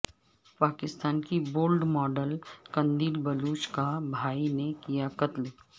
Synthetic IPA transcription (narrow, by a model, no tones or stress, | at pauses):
paːkɪst̪aːnkiboːlɖmɔːɖəlkɐ̃nd̪iːlbɐluːt͡ʃkabʱaːinekijakɐt̪l